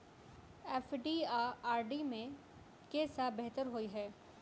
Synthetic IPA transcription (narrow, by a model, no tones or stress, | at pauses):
ɛːfɖiːaːaːɾɖimẽ | kesabeɦt̪əɾɦoːiɦɛː